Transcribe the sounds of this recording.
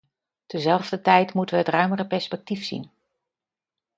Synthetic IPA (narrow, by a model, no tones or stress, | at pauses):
təzɛlˠvdətɛjtmutəʋəɦətrœɥmərəpɛɹspɛk̚tifsḭn